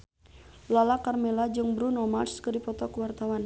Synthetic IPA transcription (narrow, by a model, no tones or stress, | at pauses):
lalakarmɛlad͡ʒɨŋbɾunɔmarskɨdipɔt̪ɔkuwart̪awan